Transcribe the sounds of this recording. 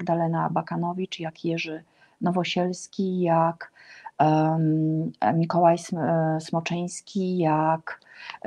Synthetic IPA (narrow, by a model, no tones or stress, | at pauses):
ɡd̪alɛnabakanɔvʲit͡ʂjakjɛʐɘ | nɔvɔɕɛlskʲijak | mʲikɔwajsmɔt͡ʂɛj̃skʲijak